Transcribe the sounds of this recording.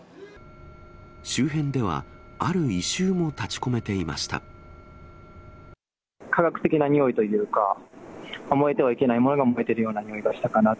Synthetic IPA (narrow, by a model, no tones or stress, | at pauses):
ɕɨːɦẽ̞nd̪e̞β̞a̰aɾɯ̟iɕɨːmo̞t̪at͡ɕi̥ko̞me̞t̪e̞ima̰ɕi̥t̪a̰ | kʰaɡakɯ̟̥t̪e̞kʲinaɲ̟io̞it̪o̞jɯːka̰ | omo̞e̞t̪e̞βaike̞naimo̞no̞ɡaomoe̞t̪e̞ɾɯ̟jo̞ːnaɲio̞iɡaɕi̥t̪akana